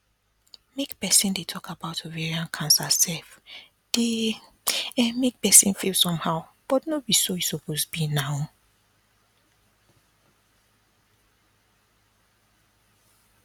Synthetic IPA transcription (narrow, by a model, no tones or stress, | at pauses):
mekpɛsĩndetʰɔkabaʊtʰovɛɹiãnkʰãnsasɛlf | d̥e | ɛ̃mek̚pɛsĩnfilsɔ̃mhaʊb̥ɔtnobisojisɔpʰosbinãʊ